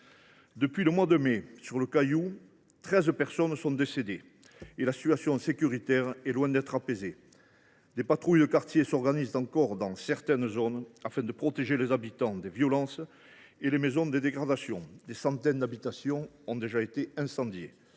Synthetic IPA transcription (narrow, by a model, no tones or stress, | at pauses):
d̪əpɥiləmwad̪əmesyʁləkaju | t̪χɛzpɛʁsɔnsɔ̃d̪esed̪e | elasi̥t̪ɥasjɔ̃sekʲyʁit̪ɛʁɛlwɛ̃d̪ɛt̪χapeze | d̪epat̪χujd̪əkaʁt̪jesɔʁɡanizt̪ɑ̃ŋkɔʁd̪ɑ̃sɛʁt̪ɛnzɔnafɛ̃d̪əpχɔt̪eʒelezabit̪ɑ̃d̪evjɔlɑ̃s | elemezɔ̃d̪ed̪eɡʁad̪asjɔ̃d̪esɑ̃t̪ɛnəd̪abit̪asjɔ̃ | ɔ̃d̪eʒaet̪eɛ̃sɑ̃d̪jḛ